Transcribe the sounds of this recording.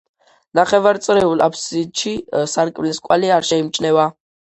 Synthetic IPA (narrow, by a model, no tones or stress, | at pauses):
naχɛvaɾt̪sʼɾɛulapʰsid̪ʃisaɾkʼmlɛskʼwaliaɾʃɛimt͡ʃʼnɛva